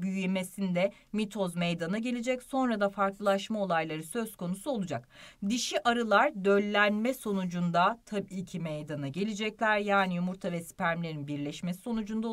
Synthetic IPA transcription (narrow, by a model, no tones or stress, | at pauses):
byjjemesind̪ɛ | mit̪ʰo̞zmejd̪anaɟe̞lʲed͡ʒɛcso̞nɾad̪afaɾklˠɯlˠaʃmao̞lˠajlˠaɾɯsø̞z̥kʰo̞nusuo̞lˠud͡ʒakd̪iʃiʔaɾɯlˠaɾd̪ø̞lʲːænmɛso̞nud͡ʒund̪at̪ʰabicʰimejd̪anaɟe̞lʲid͡ʒɛclʲæɾjaːnijumuɾt̪ʰavɛsi̥pʰæɾmlʲe̞ɾinbiɾlʲɛʃmesi̥so̞nud͡ʒund̪ao